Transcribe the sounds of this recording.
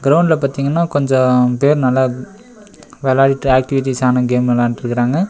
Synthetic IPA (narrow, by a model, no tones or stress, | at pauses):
ɡɾɐʊɳɖlɐpaːt̪iːŋɡɐnːaːkɔɲd͡ʒɔ̃peːɾnɐla | ʋeːlaːɽɪʈːɯaːk̚ʈɪʋɪʈ̬ːiːsaːnɐɡeːmɐlaːnʈɪɾɯkːɪɾaːŋɡɐ